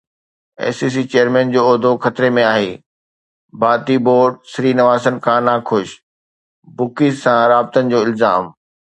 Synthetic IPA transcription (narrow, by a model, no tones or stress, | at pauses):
ɛ̰ːsiːs̬it͡ɕejəɾmɛ̃ːnd͡ʑoːɔːd̪ʱoxʰɐt̪ɾemẽaːɦeː | baːt̪iboːɾɖsɾiːnɐʋaːsənɪ̆kʰãːnakʰʊʃ | bʊkizsãɾaːb̚t̪ənɪ̆d͡ʑoːɪlzaːm